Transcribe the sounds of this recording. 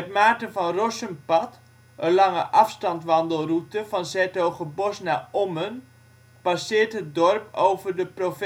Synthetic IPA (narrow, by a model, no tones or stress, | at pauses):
ɛtmaːtənvɑnrɔsənpɑt | ənlɑŋəʔɑfstɑntʋɑndəlˠrutəvɑnzɛtowχəbɔsnaʔomən | pasɪːɹtɦət̚dɔrp̚owvərdəprof